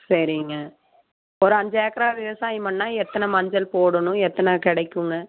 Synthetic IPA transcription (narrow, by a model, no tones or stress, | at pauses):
sɐɾiŋɡɐ | ɔɾɯɐɲd͡ʒɐekːɐɾaːʋɪʋɐsaːjimɐɳːaːɛt̪ːɐnɐmɐɲd͡ʒɐlpoːɽɐnʊ̃ɛt̪ːɐnakɪɽɐɪkːɯŋɡɐ